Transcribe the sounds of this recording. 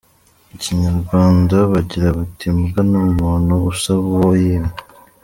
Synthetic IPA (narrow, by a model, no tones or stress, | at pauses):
uciɲaɾɡwaːndaβaɟiɾaβatimɡanumuːnuusaβawojem